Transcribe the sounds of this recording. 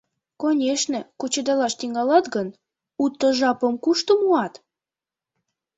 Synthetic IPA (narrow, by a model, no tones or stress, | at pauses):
konʲeʃnĕkot͡ɕed̪ɑlɑʃt̪iŋɑlɑt̪ɡən | ut̪ːəʒɑpəmkuʃt̪omuɑt̪